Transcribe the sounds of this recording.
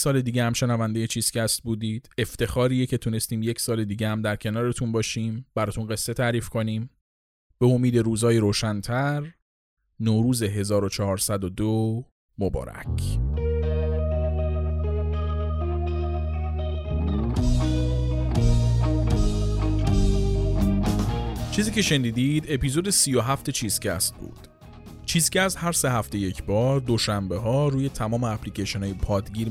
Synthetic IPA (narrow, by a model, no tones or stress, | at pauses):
sɒːle̞d̪iːɟehæmʃe̞nævænd̪ejet͡ʃʰiːz̥cæst̪̚buːd̪iːd̪̥e̞ft̪e̞xɒːɾiːjecʰe̞t̪ʰune̞st̪iːmjecʰsɒːle̞d̪iːɟehæmd̪æɾcʰe̞nɒːɾe̞t̪ʰunbɒːʃiːmb̥æɾɒːt̪ʰunɢe̞sːe̞t̪ʰæɾiːfkʰo̞niːm | b̥e̞omiːd̪e̞ɾuːzɒːjiɾoːʃænt̪ʰæɾ | noːɾuːze̞ɦe̞zɒːɾot͡ʃʰɒɦɒːɾsæd̪od̪o | mobɒ̰ːɾæ̰cʰ | t͡ʃʰiːziːcʰe̞ʃe̞niːd̪iːd̪e̞piːzo̞d̪esiːjoɦæft̪e̞t͡ʃʰiːz̥cʰæ̰st̪̚bṵːd̪̥ | t͡ʃʰiːscæst̪hæɾse̞ɦæft̪e̞je̞cʰbɒːɾd̪o̞ʃæmbe̞ɦɒːruːje̞t̪ʰæmɒːmeæpʰlicʰeʃonɒːjepʰɒːd̪ɟiːɾ